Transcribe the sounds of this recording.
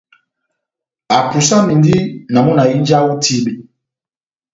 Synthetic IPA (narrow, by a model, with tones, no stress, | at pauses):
a˨pu˨sa˦mi˨ndi˦na˨mu˦na˨i˦nd͡ʒa˦wɔ˦ti˦bi˨˦